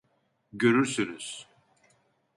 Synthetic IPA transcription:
ɟøɾyɾsynyz̥

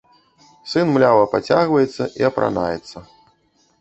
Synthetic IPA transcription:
sɨnmlʲavɐpat͡sʲaɣvɐjɛt̪sːɐʔiɐpɾʔa̰na̰jɛ̰t̪sːɐ

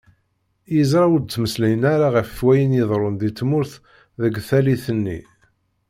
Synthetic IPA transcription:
jəzɾˤɑwəd̪̚t͡sːməslæjənaɾaʁæffwæjənjəðˤɾˤond̪it͡sːmʊɾθ | ðəɡθæliθənːḭ

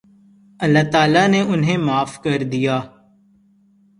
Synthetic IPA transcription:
ɐlːaːt̪aːlaneʔʊnɦẽmaːfkɐɾd̪ijaː

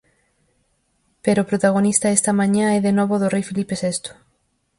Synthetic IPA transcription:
peɾopɾot̪aɣonist̪ɐɛst̪ɐmãɲãɛðenɔβoðorejfilipesest̪o̥

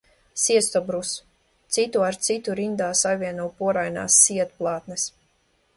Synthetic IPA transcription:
siɛst̪ɔbɾus | t̪sit̪uaɾt̪sit̪uɾind̪aːsajvʲiɛnuːpuɔɾajna̰ːsːiɛt̪̚plˠaːt̪nɛs

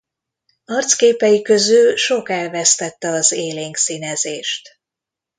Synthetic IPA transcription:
ɒrt̪skeːpɛjikø̞zylʃo̞kɛlvɛst̪ɛt̪ːɛɒzeːleːŋksinɛzeːʃt̪

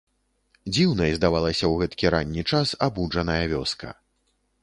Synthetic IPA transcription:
d͡zʲiwnɐjzd̪avalˠɐsʲɐwɣɛt̪kʲiɾanʲːit͡ʂasabud͡ʐɐnɐjɐvʲɔskʰɐ̰

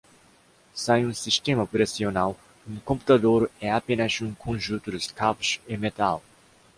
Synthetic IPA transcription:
sẽj̃ũsiʃt̪ẽmɐpɾɐsionaw | ũkõpu̥t̪ad̪oɾɛapẽnɐzũkʰõʒũt̪ʊd̪ʊskapʊʃẽmet̪al

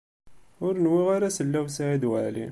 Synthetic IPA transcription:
ʊɾnwiʁaɾæsəlːæwsʕid̪wəʕlḭ

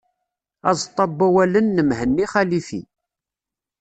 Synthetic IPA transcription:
æ̰zˤt̪ˤːɑbːæwælənːəmhənːiχælifḭ

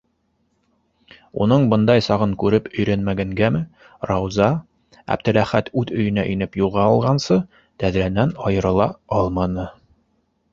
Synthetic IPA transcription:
ṵnɤɴbɤ̆nd̪ɑjsɑʁɤŋkʉɾɘpɵ̆jɾænmæɡæŋɡæmɘ | rɑwzɑ | æ̰b̚t̪ɘ̆læχæt̪ʉðɵ̆jɵ̆næʔɵ̆nɘpjulˠʁɑɑlˠʁɑnsɤ | t̪æðɾænænɑjɤ̆ɾɤ̆lˠɑɑlˠmɑnɤ

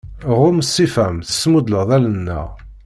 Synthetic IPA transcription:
ʁʊmsːifæmθə̥sːmud̪ləʁðælənːæ̰

